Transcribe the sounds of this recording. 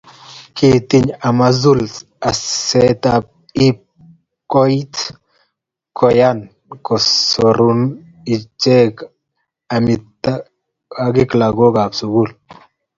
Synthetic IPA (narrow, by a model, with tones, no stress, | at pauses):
kit̪i˦ɲa˨ma˦zu˦l | a˨sɛ˦t̪ap̚ | i˦ | kɔ˦jt̪ | kɔ˨jan | kɔ˨soɾun | i˨t͡ʃɛ˦k | a˨mita | a˨ɡi˦kla˨ɡo˦ɡa˨bsu˨ɡu˦l